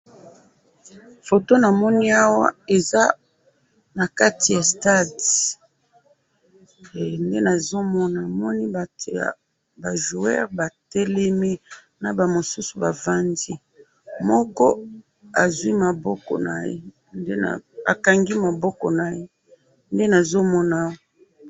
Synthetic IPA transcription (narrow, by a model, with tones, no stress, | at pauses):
fo˨to˦na˨mɔ˦ni˦a˦wa̰˦e˨za˦ | na˨ka˦ti˨ja˨sta˦d | nde˦na˨zo˦mɔ˦na˨mɔ˦ni˦a˨ta̰˨ | ba˨ʒu˨ɛ̰˦ʁba˨tɛ˦lɛ˦mi˦ | na˨ba˨mo˨su˦su˨ba˨va˦ndi˦ | mɔ˦kɔ˦ | a˨zwi˦ma˨bɔ˦kɔ̰˨na̰˨jḛ˦ | nde˦na̰˨a̰˨ka˨ŋɡi˦ma˨bɔ˦kɔ̰˨na˨je˦ | nde˦na˨zo˦mɔ˦na˨˦wa˦